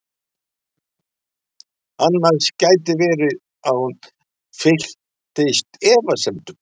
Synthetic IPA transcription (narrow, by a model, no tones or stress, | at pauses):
anːaðscaːjt̪̬ɪvɛːɾɪ | aðhun | fɪl̥ | t̪ʰejst̪ɛːvasɛmt̪ʏm